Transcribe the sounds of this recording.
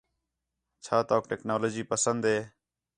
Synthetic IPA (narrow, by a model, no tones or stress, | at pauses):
t͡ʃʰaːt̪aːkʈeːknoːloːd͡ʒiːpəsənd̪ɦeː